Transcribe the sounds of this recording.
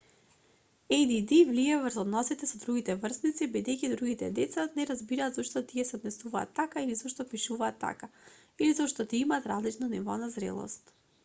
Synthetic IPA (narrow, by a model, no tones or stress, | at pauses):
ejd̪id̪ivliɛvrzɔd̪nɔsit̪ɛsɔd̪ɾuɡit̪ɛvrznit̪sibid̪ɛjcid̪ɾuɡit̪ɛd̪ɛt̪sanɛɾazbiɾaːd̪zɔʃt̪ɔt̪iɛsɛod̪nɛsuva̰ːt̪ːakailizɔʃt̪ɔpiʃuvaːt̪ːa̰ka | ilizɔʃt̪ɔt̪iimaːt̪ɾazlit͡ʃnɔnivɔ̰nazɾɛ̰lˠɔ̰st̪